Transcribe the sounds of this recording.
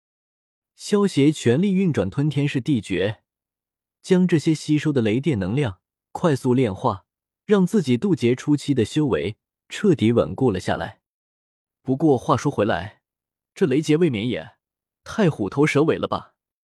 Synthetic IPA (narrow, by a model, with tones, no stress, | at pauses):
ɕjɑ˥ʊɕjɛ˧˥t͡ɕʰɥɛ˧˥nli˥˧y˥˩nʈ͡ʂwa˨˩nt̪ʰwə˥nt̪ʰjɛ˥nʂɻ̩˥˧t̪i˥˩t͡ɕɥɛ˧˥ | t͡ɕjɑ˥ŋʈ͡ʂɤ˥˩ɕjɛ˥ɕi˥ʂo˥ʊd̪ə˨le˧˥ɪt̪̬jɛ˥˩nɤ˧˥ŋljɑ˥˩ŋ | kʰwa˥˧ɪsu˥˧ljɛ˥˧nxwa˥˩ | ɻɑ˥˧ŋt͡sɹ̩˥˩t͡ɕi˨˩t̪u˥˩t͡ɕjɛ˧˥ʈ͡ʂʰu˥t͡ɕʰi˥d̪ə˨ɕjo˥ʊwe˧˥ɪ | ʈ͡ʂʰɤ˥˩t̪i˧˥wə̰˨˩nku˥˩lə˩ɕja̰˥˩la̰˧˥ɪ | pu˧˥kwɔ˥˧xwa˥˩ʂwɔ˥xwe˧˥ɪla̰˧˥ɪ | ʈ͡ʂɤ˥˩le˧˥ɪt͡ɕjɛ˧˥we˥˩ɪmɛ˧˥jɛ̰˨˩˦ | t̪ʰa˥˩ɪxu˨˩t̪ʰo˧˥ʊʂɤ˧˥we˨˩ɪlʔə̰˦bɐ̰˩